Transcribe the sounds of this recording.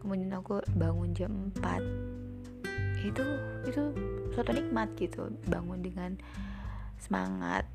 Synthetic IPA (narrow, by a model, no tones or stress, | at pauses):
kəmudianakubaŋʊnd͡ʒəmpa̰t̪̚ | it̪uit̪usot̪unik̚mat̪̚ɡit̪ʰṵbaŋʊndəŋan | səma̰ŋa̰t̪̚